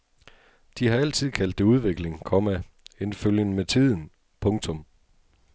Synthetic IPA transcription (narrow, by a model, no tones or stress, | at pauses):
d̥ihɑ̈æl̰t͡sʰið̞̰ˠkʰæl̰d̥euð̞ˠʋe̝ɡ̥le̝ŋkʰɒ̽mæ | enføljənəmet͡sʰið̞̰ˠn̩ | pʰɔ̽ŋt͡sʰɔ̽m